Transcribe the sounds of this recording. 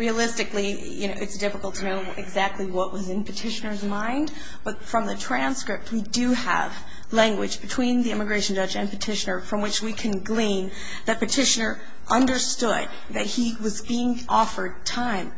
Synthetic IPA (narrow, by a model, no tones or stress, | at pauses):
ɹiɨəlɪstɨkli | jɨ̰noʊɨtsd̥ɪfəkl̩ˠtʰɨnoʊ | ɨɡzæk̚tʰˡliwʌʔwʌzɨ̃npʰɨtʰɪʃɨnə˞zmãɪ̃nd | b̥ʌtfɹʌ̃mðɨtʰɹ̥æ̃nskɹɪp̚t̚widɨə̰v̥ | læ̃ŋɡwɨd͡ʒbɨtʰw̥ĩnðiɪmɨɡɹeɪʃn̩d͡ʒʌd͡ʒɨ̃npʰɨtʰɪʃɨnə˞fɹʌ̃mwɨt͡ʃwikʰɨ̃nɡlĩn | ðɨt̚pɨtʰɪʃɨnə˞ | ʔʌ̃ndə˞stʊd̪̚ | ðɨt̚hiwʌzbiɪ̃ŋʔɔfə˞d̚tʰãɪ̃m